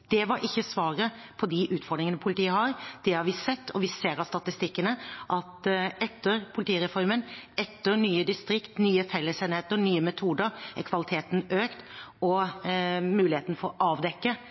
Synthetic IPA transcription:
d̪̥ɛʋɑɾʔɪçːəsʋɑːɾə | pʰɔd̪ɪʔʉːt̪fɔɾɖ̪ɾɪŋənəpʰʊlɪt̪iːəhɑɾd̪̥ɛhɑɾʋɪsɛt̪ːɔʋɪseːɾɑst̪ɑt̪ɪst̪ɪkːənəʔɑt̪ɛt̪ːəɾpʰʊlɪt̪iːɾɛfɔɾmənɛt̪ːəɾnyːəd̪ɪst̪ɾɪkt̪nyːəfɛlːəseːnɪheːt̪əɾnyːəmɛt̪ʰuːd̪əɾɛ̰ɾkʰʋɑlɪt̪ʰeːt̪n̩øːkt̪ɔ | mʉːlɪheːt̪nəfɔɾʔɑːʋd̪ɛkːə

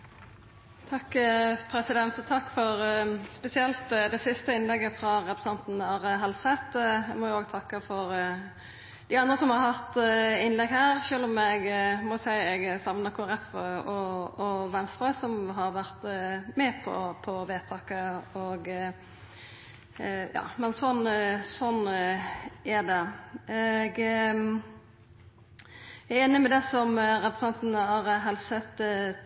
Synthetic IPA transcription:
t̪ʰɑkːpʰɾɛsɪd̪ɛnt̪ɔt̪ʰɑkːfɔʁspɛsɪɛlt̪d̪ɛsɪst̪əɪnlɛɡːəfʁɑʁɛpɾəsɑnt̪n̩ɑːʁəɦɑlsɛt̪ɛmɔjʊoːɡt̪ʰɑkːəfɔʁ | d̪ɪɑnd̪ʁəsɔmhɑʁhɑt̪ɪnlɛɡhæːʁʃøːlɔmɛɡmɔsæɪɛɡsɑmnɑkʰuæɾɛfəɔɔʋɛnst̪ɾəsɔmɦɑɾʋæʁt̪mɛpʰɔ̰pʰɔʋeːt̪ʰɑːkəɔɡ | jɑ̰ːmɛnsɔnsɔnː | æd̪ɛɛɡ | ɛɾeːnɪmɛd̪ɛsɔmɾɛpɾəsɛnt̪n̩ɑɾəɦɛlsət̪

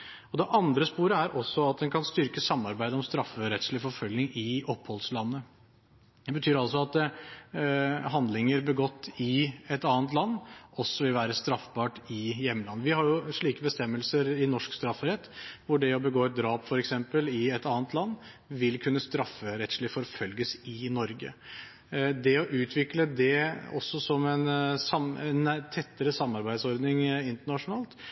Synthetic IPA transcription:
ɔd̪ɛʔɑnd̪ɾəspuːɾəæɾʔɔsːɔɑt̪̚d̪ɛnkʰɑnst̪ʏɾkəsɑmːɑɾbæɪd̪əɔmst̪ɾɑfːəɾɛt̪sɭɪfɔɾfœlɪŋɪɔphɔlslɑnːə | d̪ɛbət̪ʰyːɾɑls̬ɔɑt̪ | ɦɑnd̪lɪŋəɾbəɡɔt̪ːɪɛt̪ɑːnt̪lɑnːɔsːɔʋɪlʋæːɾəst̪ɾɑfbɑːʈɪjɛmːəlɑnːəʋɪhɑɾjʊʂɭiːkəbəst̪ɛmːəlsəɾɪnɔʂkst̪ɾɑfːɾɛt̪ːʋʊɖɛɔbəɡoːɛt̪̚d̪ɾɑːpfɔɾɛksɛmpəlɪɛt̪ɑːnət̪lɑnː | ʋɪlkʰʉnːəst̪ɾɑfːəɾɛt̪ʂɭɪfɔɾfœlɡəsɪnɔɾɡə̰ | d̪ɛɔʔʉːt̪ʰʋɪkləd̪ɛɔ̰sːɔsɔmɛnsɑmɛnt̪ʰɛt̪ːəɾəsɑmːɑɾbæɪd̪sɔɾd̪nɪŋɪnt̪əɳɑʂʊnɑːlt̪

